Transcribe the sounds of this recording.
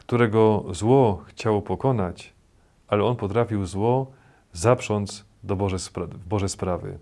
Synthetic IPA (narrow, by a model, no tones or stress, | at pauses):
kt̪uɾɛɡɔzwɔxt͡ɕawɔpɔkɔnat͡ɕ | alɛɔnpɔt̪ɾafʲiwzwɔ | zapʂɔnd̪z | d̪ɔbɔɛsvbɔʐɛspɾavɘ̰